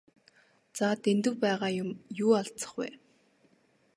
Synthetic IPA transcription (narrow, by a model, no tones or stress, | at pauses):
t͡sat̪ent̪ɘ̆wpæːʁaːjʊmjuːaɮtt͡sə̥̆χpæ̰ː